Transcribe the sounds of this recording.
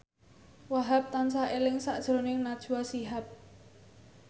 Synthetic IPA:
waɦap̚t̪ansaʔelɪŋsaʔd̥ʒ̥ɾonɪŋnad̥ʒ̥uasiɦap̚

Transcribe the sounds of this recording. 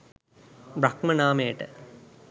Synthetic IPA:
bɾakmənaːmejəʈə

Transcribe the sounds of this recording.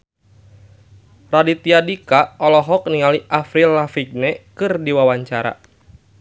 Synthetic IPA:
radit̪iadikaɔlɔɦɔk̚niŋaliʔafɾilːafiɡ̚nɛkɨrdiwawaɲt͡ʃaɾa̰

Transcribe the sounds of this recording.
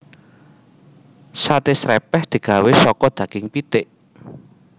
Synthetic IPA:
sat̪ɪsɾɛpɛhd̪̥i̤ɡ̥ä̤wesɔkɔd̪̥ä̤ɡ̥ɪŋpit̪ɪʔ

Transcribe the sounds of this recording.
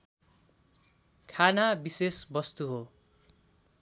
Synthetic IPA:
kʰanabisesbʌst̪uɦo

